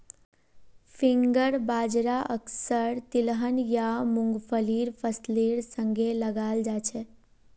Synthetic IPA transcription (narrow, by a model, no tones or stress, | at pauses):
pʰiŋɡəɾbad͡ʒɾaʔəksəɾt̪ilɦənjamũŋɡpʰəliɾpʰəsliɾsəŋɡeləɡald͡ʒat͡ʃʰɛ